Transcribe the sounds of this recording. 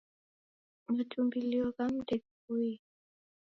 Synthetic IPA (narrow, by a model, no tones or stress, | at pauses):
matʰumbiliɔkam̩dɛk | ui